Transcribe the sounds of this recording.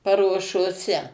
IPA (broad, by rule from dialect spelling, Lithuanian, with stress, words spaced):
pɐruɔʃoːˈsʲɛ